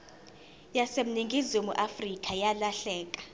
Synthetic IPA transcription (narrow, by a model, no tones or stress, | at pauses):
jasem̩niŋɡʱizimṵʔafrikʼajalaɬɛːkʼḁ